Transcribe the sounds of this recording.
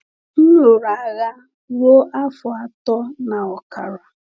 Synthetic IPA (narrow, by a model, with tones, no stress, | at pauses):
n̩˦lʊ˨ɾa˨ɣa˦ | ɾo˦ʔa˦fʊ˨a˦tɔ˦na˨ɔ˨ka˨ɾɔ˨